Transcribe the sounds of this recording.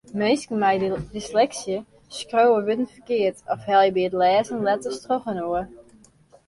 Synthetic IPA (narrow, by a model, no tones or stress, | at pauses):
meskən̩mɛjrislɛksjə | skrowəʋøtən̩fəkɪərtʰɔfhɛlˠjəbiətlɛːzənlɛtəstroxənoə